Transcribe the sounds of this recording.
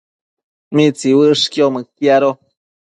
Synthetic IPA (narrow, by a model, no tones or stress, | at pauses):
mit͡siwɨʔʂkjomɨkjaɾo